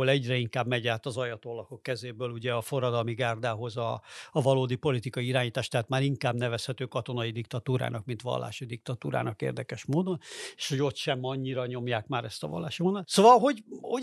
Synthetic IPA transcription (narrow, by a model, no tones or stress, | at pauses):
olɛɟrɛiŋkaːbmɛɟaːt̪ɒzɒjɒt̪olɒko̞kːɛzeːbøːluɟɛɒfo̞rːɒd̪ɒlmiɡaːrd̪aːɦo̞zɒːvɒloːd̪ipo̞lit̪ikɒjiiɾaːɲiːt̪aːʃt̪ɛɦaːt̪maːɾiŋkaːbnɛvɛshɛt̪øːkɒt̪o̞nɒjid̪ikt̪ɒt̪uːɾa̰ːnɒkmint̪ʋɒ̰lːa̰ːʃid̪ikt̪ɒt̪uːɾa̰ːnɒkḛːrd̪ɛkɛʃmoːd̪o̞neːʃho̞ɟo̞t̪ʃɛmɒɲːiɾɒɲo̞mjaːkmaːɾɛst̪ɒvɒ̰lːaːʃimonːat̪sovɒlɦo̞ɟo